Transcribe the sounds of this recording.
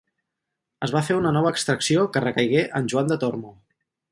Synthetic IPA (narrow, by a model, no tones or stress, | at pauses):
əzβafeunənɔβ̞əːkst̪ɾəksiokərəkəjɣeʔənʲʒuand̪ət̪ormu